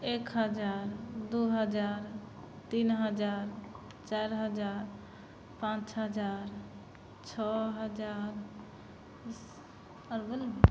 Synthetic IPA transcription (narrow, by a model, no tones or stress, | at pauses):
ekɦəd͡ʒaɾd̪uɦəd͡ʒaɾ | t̪inɦəd͡ʒaɾ | t͡ʃajɾɦəd͡ʒaɾ | pãt͡ʃɦəd͡ʒaɾ | t͡ʃʰɔɦəd͡ʒaɾ | əɾbəl